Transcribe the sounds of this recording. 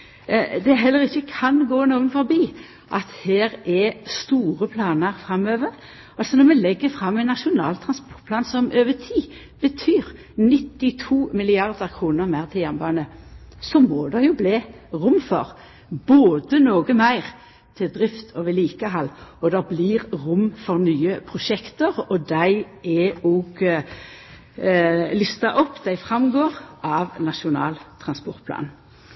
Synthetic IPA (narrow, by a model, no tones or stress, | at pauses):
d̪ɛɦɛlːəʁɪçːəkʰɑnɡoːnoːɡənfɔɾbiː | ʔɑt̪heːɾɛst̪uːʁəpʰlɑːnəɾfʁɑmøːʋəɾ | ɑlsɔnɔɾmɛlɛɡːəfɾɑmːɛɪnːɑʃʊnɑ̰ːlt̪ʰɾɑnspɔt̪̚pʰlɑːnsɔmʔøːʋət̪ʰiː | b̥ət̪ʰyːɾ | nɪt̪ːɪt̪ʰuːmɪlɪɑʁd̪əʁkʰʁuːnəʁmæːʁt̪ʰɪjæʁnbɑːnəsɔmɔd̪ɛjʊbliː | ʁʊmfɔʁ | b̥oːd̪ənoːɡəmæɪʁ | t̪ʰɪld̪ʁɪft̪ʰoːʋəliːkəɦɑlːɔd̪ɛblɪʁʁʊmfɔʁnyːəpʰʁʊʃɛkt̪əʁɔd̪æɪ | ɛɔːɡ | lʏst̪ɑʔɔpːd̪̥æɪfʁɑmɡoːʁʔɑʋnɑʃʊnɑ̰ːlt̪ʰʁɑnspɔʁt̪̚pʰlɑ̰ːn